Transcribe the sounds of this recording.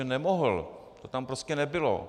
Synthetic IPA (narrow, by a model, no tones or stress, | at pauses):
ɛnɛmoɦəlt̪ot̪ampɾoscɛnɛbɪlo̰